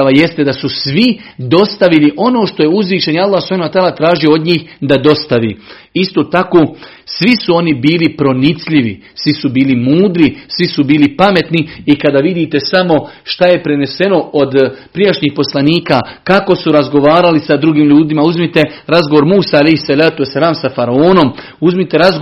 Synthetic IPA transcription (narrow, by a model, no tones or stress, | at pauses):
aje̞st̪e̞d̪asusʋid̪o̞st̪aʋiliʔo̞no̞ːʃt̪o̞jeuzʋiːʃe̞njalːahsu̥pʰhanat̪aːlat̪ɾaːʒiood̪ɲiːxd̪ad̪o̞st̪aʋḭː | ist̪oːt̪akoː | sʋisuo̞nibiːlipɾo̞nit̪sʎiʋḭ | sʋisubiːlimuːd̪ɾisʋisubiːlipame̞t̪niikad̪aːʋid̪iːt̪e̞samo̞ʃt̪aje̞pɾe̞ne̞se̞no̞od̪pɾijaʃɲiːxpo̞slˠaniːkakako̞suɾazɡo̞ʋaːɾalisad̪ɾuɡiːmʎuːd̪imauzmit̪e̞ɾazɡoʋo̞ɾmuːsaalejhsalaːt̪uesːalaːmsafaɾaoːno̞m | uzmit̪e̞ɾazɡ